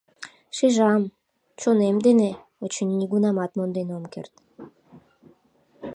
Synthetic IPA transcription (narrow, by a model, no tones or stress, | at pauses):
ʃiʒɑm | t͡ɕonemd̪ene | ot͡ɕənːiɡunɑmɑt̪mond̪enomkḛrt̪